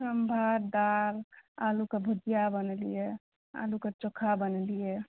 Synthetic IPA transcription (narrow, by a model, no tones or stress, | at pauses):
səmbʱaɾd̪aɾalukebʱud̪ijabənlije | a̰luket͡ʃokʰabənlije